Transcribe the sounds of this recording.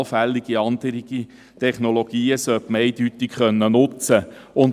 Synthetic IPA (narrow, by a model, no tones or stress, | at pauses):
lfælːiɡ̥iɑnd̥̪əɾiɡ̥i | t̪ʰɛχnoloɡ̥iːəsœpməɛɪd̥ytɪkχœnːənʊt͡sə | ʊn